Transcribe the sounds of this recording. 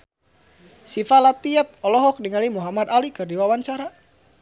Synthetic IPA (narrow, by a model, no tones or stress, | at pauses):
sifalat̪iɛp̚ɔlɔɦɔk̚niŋalimuɦamad̪alikɨrdiwawaɲt͡ʃaɾa